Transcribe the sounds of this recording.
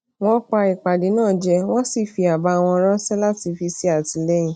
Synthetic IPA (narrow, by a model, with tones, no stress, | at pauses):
w̃ɔ̃˦k͡pa˧i˨k͡pa˨di˨˦nãː˦˨d͡ʒɛ˧w̃ɔ̃˦si˦˨fi˧a˨ba˧˨˧w̃ɔ̃˧ɔ˧ɾɔ˦sɛ˦la˦ti˧fi˧si˦a˦˨ti˨˧˦lɛ˦j̃ĩ˨